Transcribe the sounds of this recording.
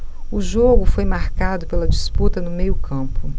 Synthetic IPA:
ʊʒoɡʊfojmaɾkad̪ʊpelɐd͡ʒisput̪ɐnʊmejʊkɐ̃pʊ

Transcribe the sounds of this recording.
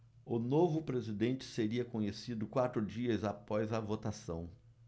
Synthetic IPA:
ʊnovʊpɾezid̪ẽnt͡ʃɪ̥seɾiɐkõɲesid̪ʊkwat̪ɾʊd͡ʒiɐzapɔzɐvot̪asɐ̰̃w̃

